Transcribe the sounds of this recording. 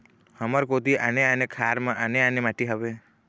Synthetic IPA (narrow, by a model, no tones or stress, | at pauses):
həməɾkot̪iʔaneanekʰaɾmaʔaneanemaʈiɦəbe